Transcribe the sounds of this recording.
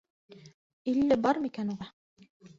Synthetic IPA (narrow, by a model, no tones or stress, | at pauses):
ilːæbɑɾmikænuʁɑ